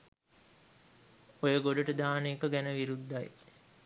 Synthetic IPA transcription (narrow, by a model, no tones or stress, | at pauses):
ojəɡoɖəʈəd̪aːneːkəɡænəʋiɾud̪ːaj